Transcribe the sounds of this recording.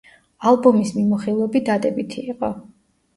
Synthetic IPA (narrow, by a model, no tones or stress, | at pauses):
alˠbɔmismimɔχilˠɔbid̪ad̪ɛbit̪ʰiːqʼɔ